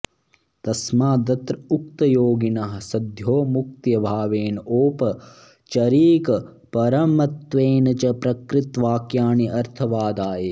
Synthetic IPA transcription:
t̪ɐsmaːd̪ɐt̪ɾɐuk̚t̪ɐjoːɡinɐɦɐ̆sɐd̪ʱjoːmuk̚t̪jɐbʱaːʋeːnoːpɐ | t͡ʃɐɾiːkɐ | pɐɾɐmɐt̪ʋeːnɐt͡ʃɐpɾɐkɾɪt̪ʋaːkjaːniʔɐɾt̪ʰɐʋaːd̪aːje

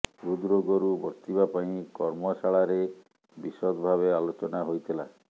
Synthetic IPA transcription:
ɾud̪ɾoɡɔɾubɔɾt̪ibapaĩkɔɾmɔsaɭaɾe | bisɔd̪bʱaβealot͡ʃɔnaɦojt̪ʰila

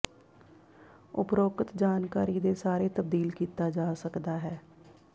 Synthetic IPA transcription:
ʊ̰pɾoːkət̪d͡ʒaːnkaːɾiːd̪eːsaːɾeːt̪əb̚d̪iːlkiːt̪aːd͡ʒaːsəkd̪aːɦɛː

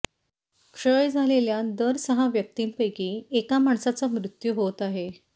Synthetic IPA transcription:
kʂəjd͡zʱaleljad̪əɾsəɦaʋjək̚t̪iːnpəjkiːekamaɳsat͡samɾut̪juɦot̪aɦe

